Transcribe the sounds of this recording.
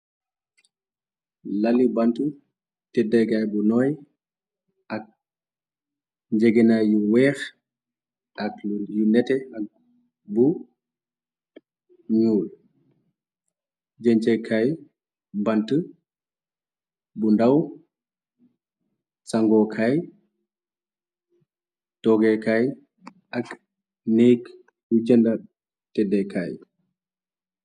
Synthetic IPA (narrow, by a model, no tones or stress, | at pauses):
lalibantu | tɛdɐɡajbunɔːj | ʔɐk̚ | ɲd͡ʒɛɡɛnajuwɛːx | ʔɐkjunɛtɛak̚ | bu | ɲuːl | d͡ʒɛɲt͡ʃɛkʰaj | bantə | bundaw | saŋɡɔkʰaj | tɔɡɛkaj | ʔak | nek | jud͡ʒɛnda | tɛdɛkaj